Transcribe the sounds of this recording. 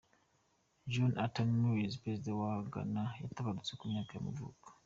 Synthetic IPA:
d͡ʒonatannuwizpɾezdewaɡa̰najataβadit͡sekumɲaːkajamuvṵːkḁ

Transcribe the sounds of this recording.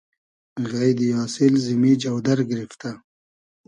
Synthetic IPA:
ɣajd̪jɑːsɪlzimid͡ʒawd̪aɾɡɾift̪a

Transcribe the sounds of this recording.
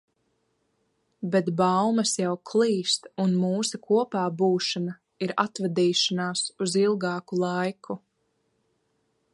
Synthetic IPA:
bɛt̪bawmɐsjawkʰlˠiːst̪unmuːsakʰuɔpaːbuːʃana | iɾa̰t̪vad̪iːʃanaːsuzilˠɡɑːkulˠajkʰu

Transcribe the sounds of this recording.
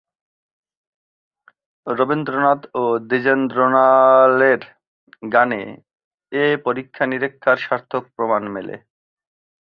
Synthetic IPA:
ɾobind̪ɾonat̪od̪id͡ʑend̪ɾonaleɾ | ɡanḛ | epoɾikʰːaniɾekʰːaɾʃaɾt̪ʰok̚pɾomanmelḛ

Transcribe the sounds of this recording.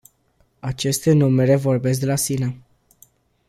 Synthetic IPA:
at͡ʃe̞st̪e̞numeɾe̞vo̞rbe̞s̬k̚d̪elasina

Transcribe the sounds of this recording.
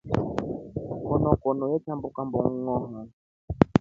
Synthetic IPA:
kɔnɔkɔnɔjɛt͡ʃambukambɔ̰ŋ̩ŋɔɦa

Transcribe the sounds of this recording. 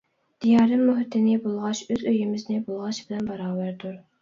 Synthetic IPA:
d̪̥ijɑːɾɨmːoɦɪt̪ʰɪnɪbolˠʁɑʃøzøjɪmɪznɪbolˠʁɑʃb̥ɪlɛnbɑɾɑːvæɾd̪uɾ

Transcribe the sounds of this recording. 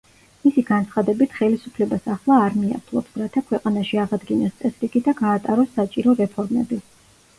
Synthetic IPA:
misiɡant̪sʰχad̪ɛbit̪ʰχɛlisupʰlɛbasaχlˠaːɾmia̰t̪ʰlˠɔ̰psɾat̪ʰakʰwɛqʼanaʃiaʁad̪ɡinɛst̪sʼɛsɾiɡid̪aɡaːt̪ʼaɾɔsːat͡ʃʼiɾɔɾɛpʰɔɾmɛ̰bi

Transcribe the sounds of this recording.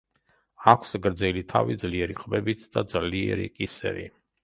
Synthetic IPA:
akʷʰsɡɾd̪zɛlit̪ʰa̰vid̪zliɛɾiqʼbɛbit̪ʰd̪ad̪zliɛɾḭkʼisɛ̰ɾḭ

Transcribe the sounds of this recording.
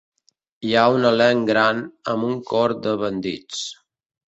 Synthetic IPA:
iaunəlɛŋɡɾanəmuŋkɔɾd̪əβənd̪ḭt͡s

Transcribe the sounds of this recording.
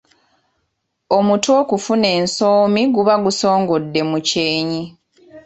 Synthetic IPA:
o̞muto̞ːkufune̞ːnsoːmiɡuβaɡuso̞ːŋɡo̞dːe̞muceːɲi

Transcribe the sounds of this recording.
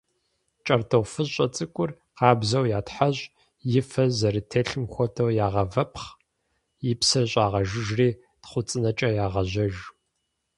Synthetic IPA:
t͡ʃʼɐrtʰɐwfɨʑɕʼɐt͡sʼɨkʷʼʊr | qɑːbzɐwjaːtħaʑʼ | jɪfɐzɐɾitʰeːɬɨmxʷɔtʰɐwjaːʁɐvɐpχ | jɪpsɐɕʼaːʁɐʒɪʒriː | tχʷʊt͡sʼɨnɐt͡ʃʼɐjaːʁɐʑɐʒ

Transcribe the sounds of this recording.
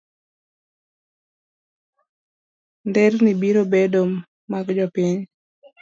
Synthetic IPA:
ndɛrnibiɾobedomː | aɡd͡ʒɔpiɲ

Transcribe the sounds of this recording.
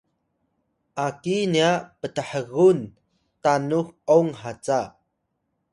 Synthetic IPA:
ʔakiniaʔpət̪əħəɣun | t̪anuk̚ʔɔŋɦat͡sa

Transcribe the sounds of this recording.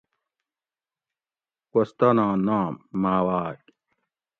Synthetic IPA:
kɐst̪ɐnãːnaːmːaːwaːk

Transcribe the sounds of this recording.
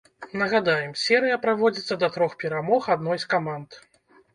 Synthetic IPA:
nɐɣad̪ajɛmsʲɛɾɨjɐpɾavɔd͡zʲit̪sːɐd̪ɐt̪ɾɔxpʲɛɾamɔxad̪nɔjskamant̪

